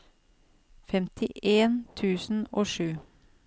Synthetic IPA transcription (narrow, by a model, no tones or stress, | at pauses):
fɛmt̪ʰɪʔeːnt̪ʰʉːsn̩oːʃʉː